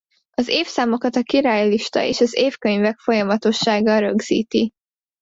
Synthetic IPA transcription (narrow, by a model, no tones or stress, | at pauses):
ɒzeːfsaːmo̞kɒt̪ɒkiɾaːjliʃt̪ɒ̰ḛːʃɒzeːfkø̞ɲvɛkfo̞jɒmɒt̪o̞ʃːaːɡɒɾø̞ɡz̥ḭːt̪i